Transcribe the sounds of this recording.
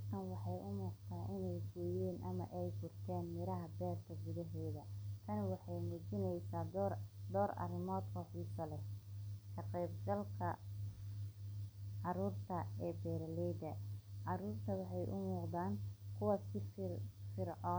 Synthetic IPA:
ɐk̪ʰɐnwɑħɑjʔʊmuːqt̪ʰaːʔɪnɛjɡɔːjɛːnʔɐmɐ̰ʔɛjbʊrt̪ʰɛːnmɪɾɐɦɐbɛːrk̪ʰɐɡʊðɐɦɛːðɐt̪ʰɐnwɑħɑjmut͡ʃɪnɛjsaːd̪d̪ɔːɾɐ̰rɪmɔːd̪kʰɐħiːsɐlɛkʰɐqɛːbɡɐlkʰɐ | ʕɑɾuːrt̪ʰɐɛːbɛːɾlɛjd̪ɐʕɑɾuːrt̪ʰɐwɑħɑjʔʊ̰muːqd̪aːnkʰʊwɐsɪffɪrʕɔː

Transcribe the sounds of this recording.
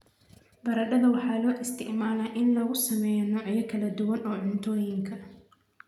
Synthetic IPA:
bɐɾɐɖɐðɐwɑħɑːlɔːʔɪst̪ʰɪ̰ʕmaːlaːʔɪnlɔɣʊsɐmɛjnɔʔɪjɐkʰɐlɐd̪ʊwɐnɔːʕʊnt̪ʰɔːjɪŋkʰɐ

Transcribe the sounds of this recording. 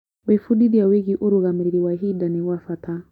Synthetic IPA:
wefuɗidijaweɣiʔuɾuɣamɾiɾiwaɦidaniwafatʰa

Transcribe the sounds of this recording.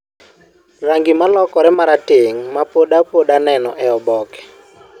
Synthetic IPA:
raŋɡɪmalɔkɔɾɛmaɾatɪŋmapoɗapoɗanɛnɔʔɛɔbɔkɛ̥

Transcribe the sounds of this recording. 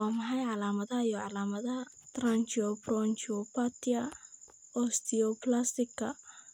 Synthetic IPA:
aːmɐħɑjʕɑlaːmɐðɐhɐjɔʕɑlaːmɐðɐɦɐt̪rant͡ʃiɔprɔnt͡ʃɔpʰat̪ɪɐ | ɔst̪ʰɪɔplast̪ɪkʰːɐ̰

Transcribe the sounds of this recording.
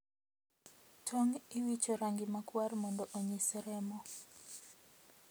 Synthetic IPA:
tʰoŋɪwit͡ʃɔɾaŋɡɪmakwarmɔndɔʔoɲisɛɾɛmɔ

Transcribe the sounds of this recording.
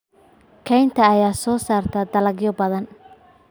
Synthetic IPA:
kʰɛjnt̪ʰɐːjaːsɔːsaːrt̪ʰɐd̪ɐlɐɡjɔbɐðɐn

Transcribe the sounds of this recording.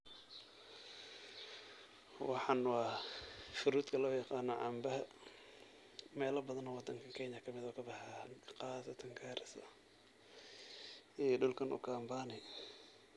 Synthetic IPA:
wɑħɑnwɑːfʊɾuːd̪kʰɐlɔːjɑqɑːnːɔʕɑmbɐɦɐ | mɛːlɐbɐðɐnɔwɑd̪ɐŋkʰɐkʰɛɲjɐkʰɐmɪðɔːkʰɐbɑħaqɑːsɐt̪ʰɐŋɡʰaːɾɪsɐ̰ | ɛɖʊlkʰɐnʔʊ̰kʰaːmbaːnɪ

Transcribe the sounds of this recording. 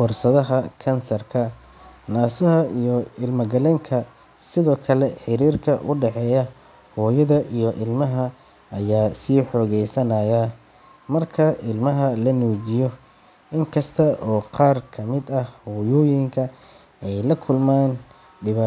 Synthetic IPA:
fɔrsɐðɐɦɐkʰɐnsɐrkʰɐ | naːsɐɦɐijɔɪlmɐɡɐlɛːŋkʰɐ | sɪðɔːkʰɐlɛħɪɾiːrkʰɐʔʊɖɛħɛːjɐ | hɔːjɐðɐʔijɔʔɪlmɐɦɐ | ɐjaːsiːħɔːɣɛjsɐnɐːjɐ | mɐrkʰɐʔɪlmɐɦɐlɐnuːt͡ʃɪjɔ | ʔɪŋkʰɐst̪ʰɐʔɔːqɑːrkʰɐmɪd̪ɐhɔjʊːjɪŋkʰɐ | ɛjlɐkʰʊlmaːn | ɖɪβaː

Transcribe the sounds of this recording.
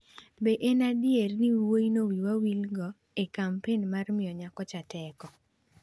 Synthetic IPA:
beʔenadɪerniwwoinowiwawilɡɔ | ekampenmarmɪɔɲakɔt͡ʃatɛkɔ

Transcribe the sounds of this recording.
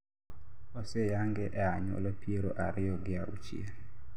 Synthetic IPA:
ɔsejaŋɡɛʔɛaɲɔ̰lɔpieɾoʔa̰ɾɪɔɡɪaut͡ʃḭe

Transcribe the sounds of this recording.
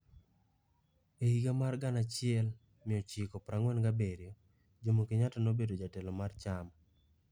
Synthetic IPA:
ehiɡamarɡanat͡ʃɪɛl | mɪɔt͡ʃikɔpɾaŋwɛnɡabeɾjo | d͡ʒomokiɲatɔnobedod͡ʒatɛlɔmart͡ʃam

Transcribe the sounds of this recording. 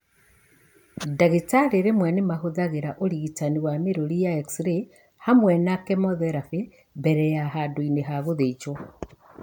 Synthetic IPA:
daɣetaɾeɾemwɛnemahoðaɣeɾaʔoɾiɣitaniwameɾoɾijaeksɾe | hamwɛnakemɔðɛɾafe | βɛɾɛjaɦadoineɦaɣoðed͡ʒo

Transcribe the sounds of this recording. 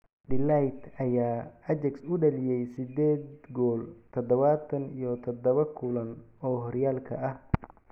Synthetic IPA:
ɖɪlajt̪ɐjaːɐt͡ʃɛksʊɖɐlɪjɛjsɪd̪ɛːd̪ɡɔːlt̪ʰɔd̪ɔβat̪ʰɐnijɔt̪ʰɔd̪ɐβɐkʰʊlɐnɔːɦɔɾjaːlkʰɐ̰ʔɐh

